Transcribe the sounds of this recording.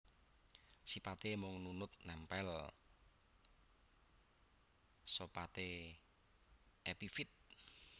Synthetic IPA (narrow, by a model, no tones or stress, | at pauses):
sipat̪emʊŋnunʊt̪̚nɛmpɛl | sopat̪e | epifɪt̪̚